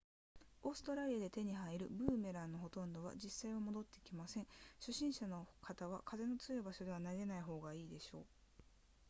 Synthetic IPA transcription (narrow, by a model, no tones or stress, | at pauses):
o̞ːsɨ̥t̪o̞ɾaɾʲiad̪e̞t̪e̞ɲ̟iɦaiɾɯ̟bɯ̟ːme̞ɾãnːo̞ɦo̞t̪õ̞nd̪o̞βa̰d͡ʑisːaiβamo̞d̪o̞t̪ːe̞ikʲimasẽ̞ɰ̃ɕoɕĩɰ̃ɕano̞kat̪aβ̞akʰaze̞no̞t͡sɨɯbaɕo̞d̪e̞βanaɾe̞naiɦo̞ːɡaiːd̪e̞ɕo̞ː